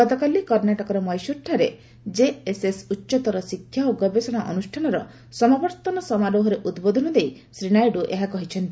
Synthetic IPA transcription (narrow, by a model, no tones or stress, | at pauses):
ɡɔt̪ɔkalikɔɾnaʈɔkɔɾɔmɔjsuɾʈʰaɾe | d͡ʒeesesutːʃɔt̪ɔɾɔsikʰjaoɡɔbesɔɽ̃aʔɔnusʈʰanɔɾɔ | sɔmabɔɾt̪ɔnɔsɔmaɾoɦɔɾeʔud̪bod̪ʱɔnɔd̪ej | sɾiñajɖuʔeɦakɔɦit͡ʃʰɔnt̪i